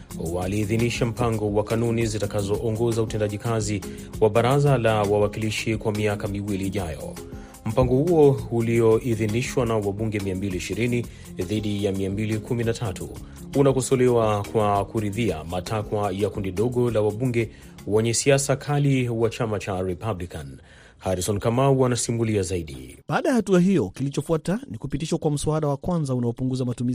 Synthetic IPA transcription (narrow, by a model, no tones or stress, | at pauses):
waliːðiniʃam̩paŋɡɔwakanunizitakazɔʔɔŋɡɔzautɛndaʄikazi | waɓaɾazalawawakiliʃikwamiakamiwiliːʄajɔ̰ | m̩paŋɡɔhuɔuliɔiðiniʃwanawaɓuŋɡɛmiambiliːʃiɾini | ðiɗijamiambilikʰuminatʰatʰu | unakɔsɔlɛwakwakuɾiðia̰matʰakwajakundiɗɔɠɔlawaɓuŋɡɛ | wɛɲɛsiasakʰaliwat͡ʃamat͡ʃaɾɛpablikan | haɾisɔnkamauanasimuliazaiɗḭɓaːɗajahatuaɦijɔkilit͡ʃɔfuatanikupitiʃɔkwam̩suaɗawakwãnzaunaɔpuŋɡuzamatumiz